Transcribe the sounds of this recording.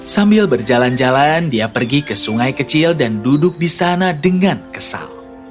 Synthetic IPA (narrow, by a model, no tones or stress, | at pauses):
sambɪlbərd͡ʒaland͡ʒalandiapərɡikəsuŋajkət͡ʃɪldandudʊk̚disanadəŋankəsa̰l